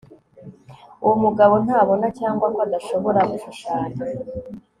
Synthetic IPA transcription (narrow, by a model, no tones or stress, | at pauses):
uwumuɡaβo̞n̥haːβo̞nacaːŋɡwaŋɡwad̪aʃo̞βo̞ɾaɡuʃuʃaːɲa